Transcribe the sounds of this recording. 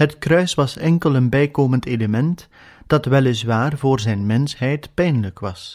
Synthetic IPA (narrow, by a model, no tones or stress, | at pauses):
ɦətkrœɥsʋɑsɛŋkələnbɛjkoːmənteːləmɛnt | d̥ɑtʋɛlɪsʋaːrvoːrzɛjnmɛnsɦɛjtpɛjnləkʋɑs